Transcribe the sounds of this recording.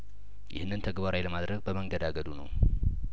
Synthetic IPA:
jʔɪ̰hnːɨnt̪ʰəɡbaɾajləmad̪ɾəɡ̚bəməŋɡəd̪aɡəd̪unə̰w

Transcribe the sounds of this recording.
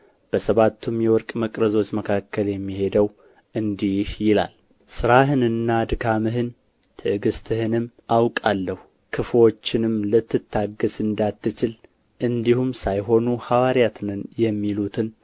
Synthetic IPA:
b̥əsəβat̪ːumjɛwɔɾkʼməkʼɾəzo̞t͡ʃːməkʰakːəljɛmːihe̞d̪əw | ʔɨnd̪ihjɪla̰l | sɨɾaɦɨnɨnːad̪ɨkʰamɨɦɨn | t̪ʰɨʔɨɡɨst̪ʰɨhɨnɨm | awkʼalːəhu | kʰɨfo̞t͡ʃːɪnɨmlɨt̪ːɨt̪ʰːaɡəsɨnd̪at̪ːɨt͡ʃɪl | ʔɨnd̪ihumsajɦo̞nuhawaɾijat̪ʰnɨnjɛmːilut̪ʰɨn

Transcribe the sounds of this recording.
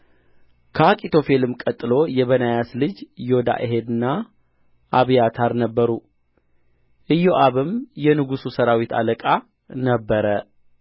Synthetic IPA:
kʰəakʼit̪ʰo̞fe̞lɨmkʼət̪ʼːɨlo̞jɛβənajaslɨd͡ʒjo̞d̪a̰ʔɪɦe̞d̪ɨnːa | ʔaβjat̪ʰaɾnəbːəɾu | ʔɨjːo̞ʔaβɨmjɛnɨɡususəɾawit̪a̰ləkʼa | nəbːəɾə

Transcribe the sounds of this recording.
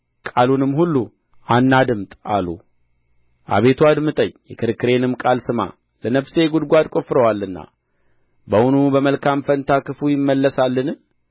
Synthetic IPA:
kʼalunɨmːhulːu | anːad̪ɨmt̪ʼalṵ | ʔa̰βe̞t̪ʰuad̪mɨt̪ʼəɲjɛkʰɨɾɨkːɨɾe̞nɨmkʼalsɨma̰ | lənəβse̞ɡud̪ɡʷad̪kʼofɾəwalːɨnːa̰ | bəwunubəməlkʰamfənt̪ʰakɨfujɪmːəlːəsalːɨnɨ

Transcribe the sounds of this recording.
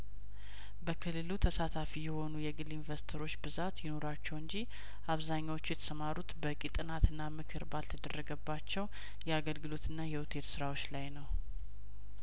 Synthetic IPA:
bəkʰɨlːɨlut̪ʰəsat̪ʰafijɛho̞nujɛɡɨlinvəɾst̪ʰəɾo̞t͡ʃːbɨzat̪jɪno̞ɾat͡ʃːɛwɨɲd͡ʒi | ʔaβzaɲːawot͡ʃːujɛt̪ʰə̥səmaɾut̪bəkʼit̪ʼɨnat̪ɨnːamɨkʰɨɾbalt̪ʰəd̪ərːəɡəbːat͡ʃːɛw | jɛaɡəlɡɨlo̞t̪ʰɨnːajɛwut̪ʰe̞t̪sɨɾawo̞t͡ʃːlajnəw

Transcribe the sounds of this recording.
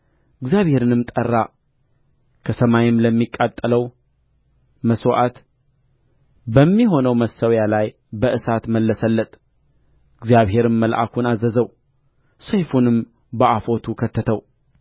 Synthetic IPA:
ɨɡzjaβhe̞ɾɨnɨmt̪ʼərːa | kʰəsəmajɪmləmːikʼːat̪ʼːələw | məswʔat̪ | bəmːiɦo̞nəwməsːəwjalaj | bəʔɨsat̪məlːəsəlːət̪ʼ | ɨɡzijaβhe̞ɾɨnməlʔa̰kʰunazəzəw | səjfunɨm | bəʔafo̞t̪ʰukʰət̪ʰːət̪ʰəw

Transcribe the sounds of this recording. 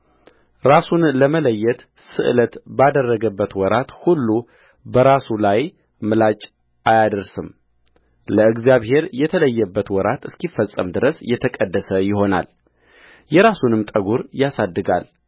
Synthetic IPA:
ɾasunləmələjːɛt̪ | sɨʔɨlət̪bad̪ərːəɡəbːət̪wɔɾat̪hulːu | bəɾasulaj | mɨlat͡ʃʼ | ajad̪əɾsɨm | ləɨɡzijaβhe̞ɾjɛt̪ʰələjːɛbːət̪wɔɾat̪ɨskifːəsʼːə̰md̪ɨɾəsjɛt̪ʰəkʼəd̪ːəsəjɪɦo̞na̰l | jɛɾasunɨmt̪ʼəɡuɾjasad̪ːɨɡa̰l

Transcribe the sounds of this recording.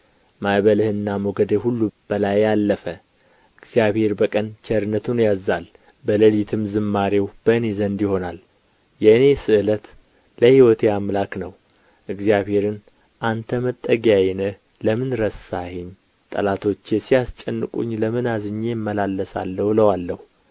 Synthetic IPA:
majβəlɨhɨnːamoɡəd̪ehulːub̥əlajːalːəfə | ʔɨɡzijaβhe̞ɾbəkʼənt͡ʃʰɛɾɨnːət̪ʰunjazːal | bələlit̪ʰɨmzɨmːaɾewb̥əɨnezənd̪jɪho̞nal | jɛɨne̞sɨʔɨlət̪ | ləhiwɔt̪ʰeamlaknəw | ʔɨɡzijaβhe̞ɾɨn | ʔant̪ʰəmət̪ʼːəɡjajɛnɨh | ləmɨnɾəsahɪɲ | t̪ʼə̰lat̪ʰo̞t͡ʃːjɛsijast͡ʃʼɛnːɨkʼṵɲːləmɨnazɨɲːejmːəlalːəsa̰lːəwləwalːəhu

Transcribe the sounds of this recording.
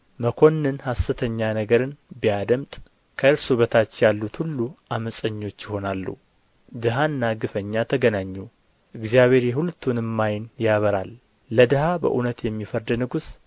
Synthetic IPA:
məkʰo̞nːɨnhasɨt̪ʰəɲːanəɡəɾɨnbijad̪əmt̪ʼ | kʰəɨɾsuβət̪ʰat͡ʃːjalːut̪hulːuaməsʼəɲːo̞t͡ʃːjɪho̞nalːṵ | d̪ɨɦanːaɡɨfəɲːat̪ʰəɡənaɲːu | ʔɨɡzijaβe̞ɾjɛɦult̪ʰːunɨmːajnjaβəɾalː | əd̪ɨhabə̰ʔunət̪jɛmːifəɾd̪nɨɡus

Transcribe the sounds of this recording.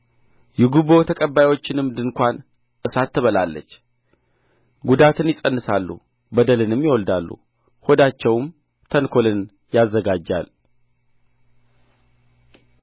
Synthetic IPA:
jɛɡuβo̞t̪ʰəkʼəbːajwo̞t͡ʃːɪnɨmd̪ɨnkʷan | ʔɨsat̪ʰːɨβəlalːə̰t͡ʃː | ɡud̪at̪ɨnjɪsʼənːɨsalːṵ | bəd̪əlɨnɨmːjɛwɔld̪alːṵ | hod̪at͡ʃːɛwm | t̪ʰənkʰo̞lɨn | jazːəɡad͡ʒːa̰l

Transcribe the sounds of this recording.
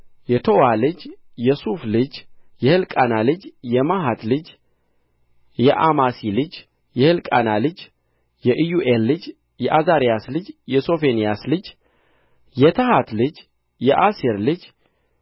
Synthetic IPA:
jɛt̪ʰowalɨd͡ʒ | jɛsuflɨd͡ʒjɛhɨlkʼanalɨd͡ʒjɛmaɦat̪lɨd͡ʒ | jɛʔamasilɨd͡ʒ | jɛhɨlkʼanalɨd͡ʒ | jɛʔɨjuʔelːɨd͡ʒ | jɛʔazaɾijaslɨd͡ʒjɛso̞fe̞nijaslɨd͡ʒ | jɛt̪ʰəhat̪lɨd͡ʒ | jɛʔasiɾlɨd͡ʒ

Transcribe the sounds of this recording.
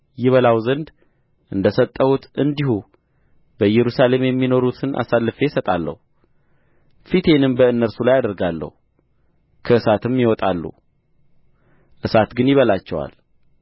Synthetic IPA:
jɪβəlawzənd̪ | ʔɨnd̪əsət̪ʼːəhut̪ɨnd̪ihu | bəjɛɾusale̞mjɛmːino̞ɾut̪ʰɨnʔa̰salːɨfe̞sət̪ʼalːə̰hu | fit̪ʰe̞nɨmbəɨnːəɾsulajad̪əɾɡalːə̰hu | kʰəɨsat̪ʰɨmːjɪwɔt̪ʼalːṵ | ʔɨsat̪ɡɨnjɪβəlat͡ʃːɛwa̰l

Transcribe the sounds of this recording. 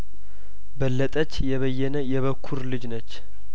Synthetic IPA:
bəlːət̪ʼət͡ʃːjɛβəjːɛnəjɛβəkʰːuɾlɨd͡ʒnət͡ʃː

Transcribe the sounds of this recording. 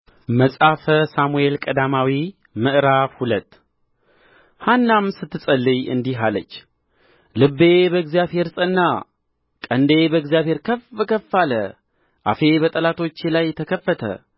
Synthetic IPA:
məsʼafəsamue̞lkʼəd̪amawi | mɨʔɾafhulət̪ː | hanːamsɨt̪ːɨsʼəlːɨjɨ̰nd̪iɦalət͡ʃː | lɨbːe̞bəɨɡzijaβhe̞ɾsʼɨnːa | kʼənd̪e̞bəɨɡzijaβhe̞ɾkʰəfəkʰəfːalə̰ | ʔa̰fe̞bət̪ʼəlat̪ʰo̞t͡ʃːelajt̪ʰəkʰəfːət̪ʰə̰

